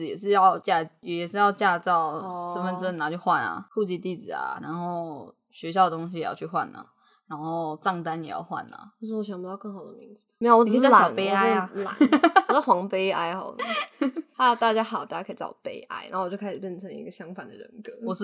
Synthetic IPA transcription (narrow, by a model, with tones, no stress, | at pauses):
jɛ˨˩ʂ̬ɻ̩˥˧jɑ˥˧ʊt͡ɕja˥˧jjɛ˨˩ʂɻ̩˥˧jɑ˥˧ʊt͡ɕja˥˧t͡sɑ˥˩ʊʂə˧˥nfə˥˧nt͡s̩˥˨˩na˧˩t͡ɕjo˥˧ʊxwa˥˩na̰˩kʰu˥˧t͡ɕi˥˧t̪i˥˩d͡zɹ̩˨˩a̰˨˩ɻa̰˧˥nxo˥˩ʊ | ɕɥɛ˧˥ɕjɑ˥˩ʊd̪ə˩t̪ʊ˥ŋɕ̬i˧jɛ˨jɑ̰˥˧ʊt͡ɕʰy˥˧xwa̰˥˩nlə̰˩ | ɻa˧˥nxo˥˧ʊʈ͡ʂɑ˥˩ŋt̪a˦njɛ̰˨˩jɑ̰˥˧ʊxwa̰˥˩nlə̰˩jo˥ʊʂ̩˥˩ɔ˧˥ɕ̬ɥɑ˨˩pu˧˥t̪ɑ˥˧ʊkɤ˥˩ŋxɑ˨˩ʊd̪ə̰˦mi˧˥ŋd͡ze˧˥o˨˩wɔ˨˥˨laɕɑ˨˩ne˥ɪa˥˧la̰˨˩˦n˩˥˩xwɑ˧˥ŋpe˥ɪa̰˥ɪxɔ̰˨˩˦ | tʰa˥t̪a˥˩t͡ɕja˥xɑ˨˩˨t̪a˥˩t͡ɕa˥kʰi˨˩t͡ɕɑ̰˥˧˩pe˥ɪʔa̰˥ɪna˧˥wt͡ɕjo˥˧a˥ʂ̩˨˩pjɛ˥˩nʈ͡ʂʰə˧˥ŋḭ˧˥ɡə˧ɕjɑ˥ŋfa˨˩nd̪ə̰˨ɻə̰˧˦nkɤ˧˦wɔ˨˩ʂ̩˥˩